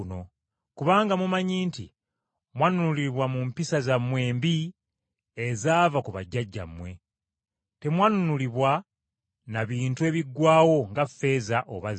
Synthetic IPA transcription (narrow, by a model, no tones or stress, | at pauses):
no̞ | kuβaːŋɡamumaɲiːntḭ | mwanunuliiβwamumpisazamwe̞ːmbi | ezaːvakuβa̰ɟːaɟːa̰mːwe̞ | te̞mwanunuliβwa | naβiːntue̞ːβiɡwaːwo̞ŋɡafe̞ːzaʔo̰βaz